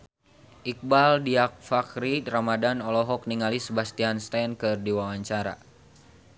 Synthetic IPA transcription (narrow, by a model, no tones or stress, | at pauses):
ʔik̚baldiak̚fakɾiramadanɔlɔɦɔk̚niŋalisəbast̪ianst̪ankɨrdiwawaɲt͡ʃaɾa̰